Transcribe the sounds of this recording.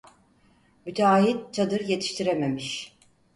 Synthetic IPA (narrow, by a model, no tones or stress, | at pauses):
myt̪ʰaːɦit̪̚t͡ʃʰad̪ɯɾje̞t̪ʰi̥ʃt̪ʰiɾeme̞miʃ